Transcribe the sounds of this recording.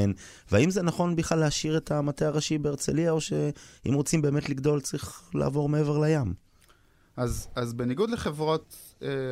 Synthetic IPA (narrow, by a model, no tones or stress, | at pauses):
en | veaimze̞naχo̞nbiχlalːeaʃiʁe̞tamateaʁaʃibeːʁt͡sḛliao̞ʃe̞ḭmʁo̞t͡simbeːmetliɡdo̞lt͡saʁiχla̰ːvo̞ʁmeeve̞ʁlajam | azazbeniɡud̪leχevʁo̞t̪ | e